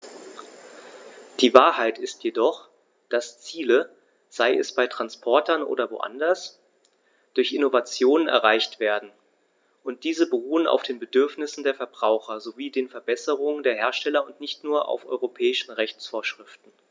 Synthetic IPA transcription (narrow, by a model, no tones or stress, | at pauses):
d̥iːvaːɐɦaɪtɪstʰjedɔχ | d̥ast͡siːlə | z̥aɪʔɛ̰sb̥aɪtʁ̥anspʰɔɐtɐnʔo̰ːdɐvo̰ːʔa̰ndɐs | d̥ʊɐçʔɪnovat͡sjoːnənɛ̰ɐʁ̞aɪçtv̥eːɐdn̩ | ʔʊnt̚d̥iːzəbəʁuːəna̰ʊfd̥eːnbədʏɐfnɪsn̩deːɐfɛɐbʁaʊxɐzoviːdeːnfɛɐbɛsəʁ̞ʊŋəndeːɐɦeːɐʃtɛlɐʊntnɪçtnuːɐʔa̰ʊfʔɔ̰ʏʁopʰɛːɪʃn̩ʁɛçt͡sfoːɐʃʁ̥ɪftn̩